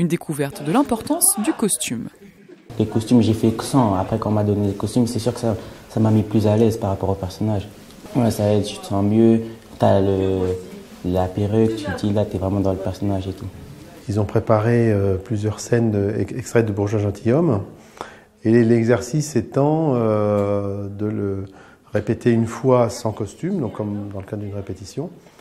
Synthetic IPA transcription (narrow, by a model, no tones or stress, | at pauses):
ynd̪ekʰuvɛʁt̪d̪əlɛ̃pɔʁt̪ɑ̃sd̪ykɔst̪ym | lekɔst̪ymʒefɛksɑ̃apχɛkɑ̃mad̪ɔnedəkɔst̪ymsɛsyʁkə̥sasamamiplyzalɛzpaʁapɔʁopɛʁsɔnaʒ | wɛsaɛd̪t̪y̥t̪ə̥sɑ̃mjø | t̪yalə | lapeʁøkət̪ʰyd̪ilat̪yɛvʁɛmɑ̃d̪ɑ̃ləpɛʁsɔnaʒet̪u | ilzɔ̃pχepaʁeøplyzjœʁsɛnd̪əɛkst̪χɛd̪əbuʁʒãʒɑ̃t̪ʰijɔm | elɛɡzɛʁsisɛt̪ɑ̃ø | d̪ələ | ʁepet̪ʰeynfwasɑ̃kɔst̪ymd̪ɔ̃kːɔmd̪ɑ̃ləkad̪ʁd̪ynʁepet̪isjɔ̃